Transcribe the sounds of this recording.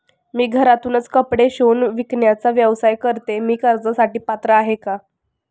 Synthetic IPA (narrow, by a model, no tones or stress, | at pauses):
miːɡʱəɾat̪uːnət͡skəpɽeɕonʋikɳjat͡saʋjəʋsajkəɾt̪emiːkəɾd͡zəsaʈiːpat̪ɾəaɦeka